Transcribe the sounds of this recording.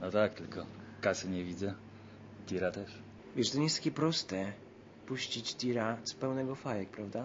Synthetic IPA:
nɔt̪ak̚t̪ɘlkɔkasɘɲɛvʲid̪zɛ | d̪ʲiɾat̪ɛʂ | vʲɛʂt̪ɔɲejɛst̪akʲɛpɾɔst̪ɛ | puɕt͡ɕid͡ʑt̪ʲiɾat̪sɔ̥pɛwnɛɡɔfajɛk̚pɾavd̪a

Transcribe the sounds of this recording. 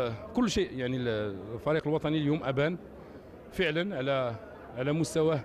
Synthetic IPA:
kʊlːʃiʔjaʕnilfɑɾiqəlwɑt̪ˤɑniljumʔæbæn | fəʕlənʕalæ | ʕalæmʊst̪æwæ

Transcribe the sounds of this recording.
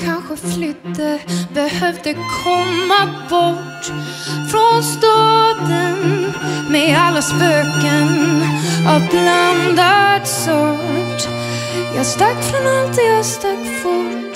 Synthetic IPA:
kʰanɧəflʏt̪ːəbɛhœvd̪əkʰɔmːabɔʈː | fɾɔnst̪ɑːd̪ənmɛalːaspøːkən | abland̪at̪sɔʈ | jɑːst̪aɡfɾɔnalt̪ɪjɑst̪aɡfʊʈ

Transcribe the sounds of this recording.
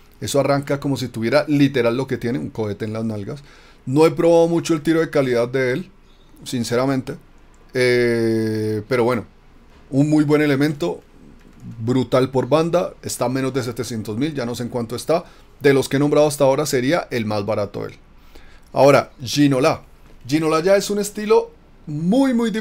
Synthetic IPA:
e̞soaraŋkako̞mo̞s̬it̪uβje̞ɾalit̪e̞ɾalːo̞ke̞t̪je̞neuŋko̞e̞t̪e̞ːnlaznalɡas | no̞e̞pɾo̞βaðo̞mut͡ʃoelt̪iɾo̞ð̞ekaliðad̪d̪e̞el | sinse̞ɾamẽ̞nt̪e̞ | e | pe̞ɾo̞βwe̞no̞ | unmujbwe̞ne̞le̞mẽ̞nt̪o̞ | bɾut̪alpo̞ɾband̪ae̞st̪amẽ̞no̞zd̪e̞s̬e̞t̪e̞sje̞nt̪o̞zmild͡ʒano̞se̞ŋkwant̪o̞e̞st̪a | d̪e̞lo̞skeenombɾaðoast̪ao̞ɾase̞ɾiaʔe̞lmazbaɾat̪o̞̰ðḛl | a̰o̞ɾaʝino̞la | d͡ʒino̞laʝae̞sune̞st̪ilo̞ | mujmujd̪i

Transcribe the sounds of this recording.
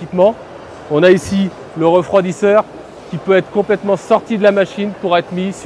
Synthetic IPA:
ipmɑ̃ | ɔ̃naisi | ləʁəfχwad̪isœʁ | kʲipøɛt̪χə̥kɔ̃plɛt̪mɑ̃sɔʁt̪id̪əlamaʃinpuʁɛt̪χmis

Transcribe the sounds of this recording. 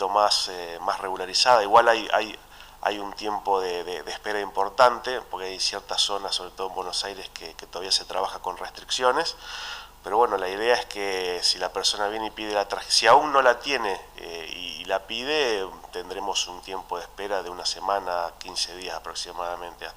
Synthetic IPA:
omasemasreɣulaɾisaðaiɣwalaja̰j | a̰junt̪je̞mpo̞ðeðeðehpeɾaimpo̞ɾt̪ant̪epo̞ɾkeajsjeɾt̪aso̞naso̞βɾet̪oðembweno̞sajɾeskʰeket̪oðaβiase̞t̪ɾaβaxako̞nrest̪ɾiksjo̞nespeɾo̞βweno̞laiðeaehkesilapeɾso̞naβjeneipið̞elat̪ɾaxsiauŋnːo̞lat̪je̞neeḭːlapiðet̪e̞nd̪ɾemo̞sunt̪je̞mpo̞ð̞ehpeɾaðeunasemanakinseðiasapɾo̞ksimaðamẽ̞nt̪e

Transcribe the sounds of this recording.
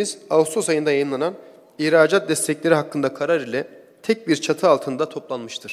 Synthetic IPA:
iz̥aust̪ʰosajɯnd̪ajajɯmlˠanan | ihɾaːd͡ʒat̪̚d̪ɛst̪ʰɛclʲe̞ɾiɦakːɯnd̪akʰaɾaɾilʲɛ | t̪ʰɛc̚biɾt͡ʃʰat̪ʰɯalˠt̪ʰɯnd̪at̪ʰo̞plˠanmɯʃt̪ʰɯɾ̥

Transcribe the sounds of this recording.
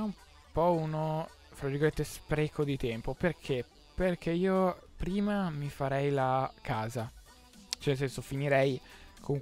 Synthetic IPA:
aum | pɔuno | fɾad͡ʒikament̪espɾekʰod̪it̪ɛmpoperkʰe | perk̟eiːopɾiːmamifaɾɛjlakʰaːza | t͡ʃɛnels̬ɛnsofiniɾɛjkʰoŋ

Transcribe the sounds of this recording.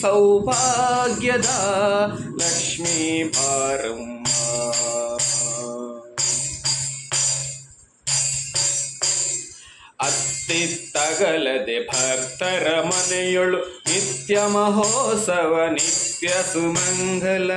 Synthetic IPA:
sɐwbʱaːɡjɐd̪a | lɐkʂmibʱaːɾɐmbʱa | pɐ | ɐt̪ːit̪ːɐɡɐlɐd̪ebʱɐɾt̪ɐɾɐmɐnɐjuɭunit̪jɐmɐɦoːsɐʋɐnit̪jɐsumɐŋɡʱɐlɐ

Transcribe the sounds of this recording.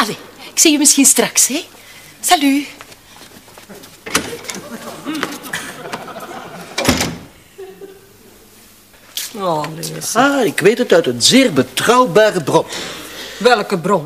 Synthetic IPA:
aleɪksiymɪsxinstrɑkshɛ | saly | ɔlezaɪkʋeːtətœɥtənzɪːrbətrɑwbaːrəbrɔn | ʋɛlkəbrɔn

